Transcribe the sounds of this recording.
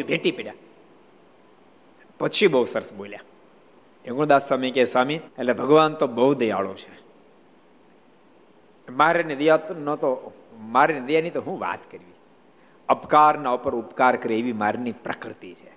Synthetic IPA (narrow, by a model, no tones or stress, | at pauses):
ibʱeʈipeɽja | pət͡ʃʰibəɦusəɾəsbolja | ekũd̪asːamikesʋamielebʱəɡʋant̪obəɦud̪əja̰ɭot͡ʃʰe | maɾenəd̪janõt̪o | maɾenəd̪janit̪oɦũʋa̰t̪kəɾʋi | əpkaɾnaupəɾupkaɾkəɾeeʋimaɾnipɾə̰kɾɪt̪it͡ʃʰe